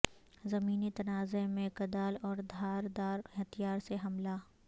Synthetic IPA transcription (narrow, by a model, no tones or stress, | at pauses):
zɐmiːnit̪ɐnaːzemẽkɐd̪aːlɔːɾd̪ʱaːɾd̪aːɾɦt̪ijaːɾseɦɐmla